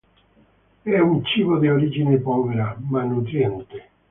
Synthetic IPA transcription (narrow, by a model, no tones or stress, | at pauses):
ɛunt͡ʃiːvod̪eoɾid͡ʒinɪpɔveɾamanːut̪̬ɾjɛnt̪ɪ